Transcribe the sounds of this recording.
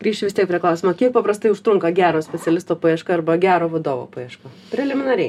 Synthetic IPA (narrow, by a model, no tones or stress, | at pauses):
ɡ̥ɾʲiːʃt͡ʃʲɪʋʲɪst̪ʲiɛkpʲɾʲiɛklˠɐˑʊsʲːmokʲiɛk̚pɐpɾɐst̪ɐɪʊʃt̪ɾʊŋkɐɡʲæːɾoːsʲpʲɛt̪sʲɛlʲɪst̪oːpɐjɛʃkɐɐrbɐɡʲæːɾoːʋɐd̪oːʋo̰ːpɐjiɛʃkɐpʲɾʲɛlʲɪmʲɪnɐɾʲɛɪ